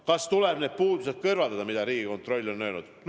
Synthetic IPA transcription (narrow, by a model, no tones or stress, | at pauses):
kɑst̪uleb̥neːd̪̚puːd̪use̞d̪̚kɤrvɑld̪ɑd̪ɑmid̪̥ɑɾiːɡ̥iko̞nt̪ˑro̞lʲːo̞nːøynud̪̥